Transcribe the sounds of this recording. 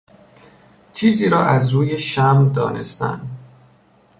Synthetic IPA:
t͡ʃʰiːziːɾɒːʔæzɾuːjeʃæmd̪ɒːne̞̰st̪æ̰nd̪

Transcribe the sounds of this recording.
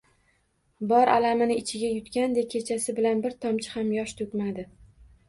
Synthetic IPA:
bɒɾʔa̰lamɪnɪɪt͡ʃʰɪɡʲajʊt̪kʲand̪ekʲʰe̞t͡ʃʰasɪbɪlanbɪɾt̪ʰɒmt͡ʃʰɪ̥hamjɒʃt̪ʰɵkʲmad̪ɪ

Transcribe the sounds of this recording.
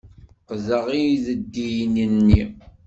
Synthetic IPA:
qzəʁijðəd̪ːijnənːi

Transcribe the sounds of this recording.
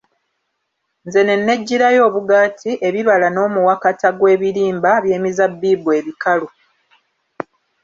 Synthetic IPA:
nze̞ne̞nːe̞ɟːiɾajo̞ːβuɡaːtʰiʔe̞βiβalano̞ːmuwakataɡwe̞ːβiɾiːmbaβje̞ːmizabːiːbue̞ːβikalu

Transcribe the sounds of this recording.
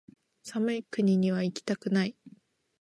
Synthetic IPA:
samɯ̟ikɯ̟ɲ̟iɲ̟iβ̞aikʲi̥t̪akɯ̟nai

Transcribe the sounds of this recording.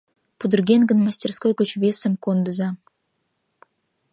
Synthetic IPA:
pud̪ɨ̆rɡʲenɡə̆nmɑsʲtʲerskojkot͡ɕvʲesə̆mkond̪ə̆zɑ

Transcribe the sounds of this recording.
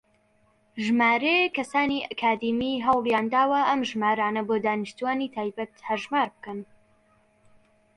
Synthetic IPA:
ʒmaːɾekɐsaːniʔɐkʰaːd̪imiɦɐwlˠjaːnd̪aːwɐʔɐmʒmaːɾaːnɐboːd̪aːnɨʃt̪uaːniːt̪ʰaːjbɐt̪hɐɾʒmaːɾbɨkɐn

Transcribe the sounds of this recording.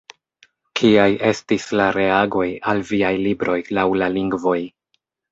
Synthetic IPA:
kʰiajʔe̞stislaɾe̞aɡo̞jalviajlibɾo̞jlawlaliŋɡvo̞j

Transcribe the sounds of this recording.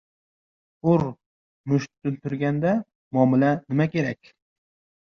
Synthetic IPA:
ʊɾ | mʊʃt̪ːʊlt̪ʰʊɾɡʲand̪a | mɒmɪlanɪmakʲe̞ɾakʲ

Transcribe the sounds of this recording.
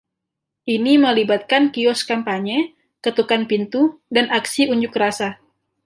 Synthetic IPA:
ʔiniməlibat̪̚kankiɔskampaɲe | kət̪ukanpint̪udanaksiuɲd͡ʒʊkɾasa

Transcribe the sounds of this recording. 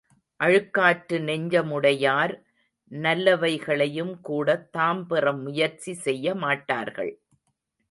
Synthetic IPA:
ʔɐɻɯkːaːʈːɯnɛɲd͡ʒɐmʊɽɐjaːɾ | nɐlːɐʋɐɪɣɐɭɐjɯmkuːɽɐt̪ːaːmpɪrɐmːʊjɐɾt͡ʃisɛjːɐmaːʈːa̰ːɾɣɐ̰ɭ

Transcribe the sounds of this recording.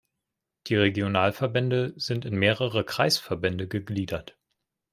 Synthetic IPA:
d̥iːʁeɡjonaːlfɛɐbɛndəzɪntɪnmeːʁəʁəkʁ̥aɪsfɛɐbɛndəɡəɡliːdɐt

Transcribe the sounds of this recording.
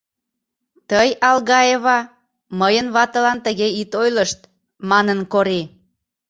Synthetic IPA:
t̪əjɑlɣɑeβɑ | məjənβɑt̪ə̆lɑnt̪əɣeit̪ojləʃt̪ | mɑnənkoɾi

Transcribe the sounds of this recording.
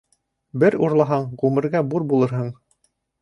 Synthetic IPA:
bɘɾuɾlˠɑɦɑɴʁʉmɘ̆ɾɡæbuɾbulˠɤɾɦɤɴ

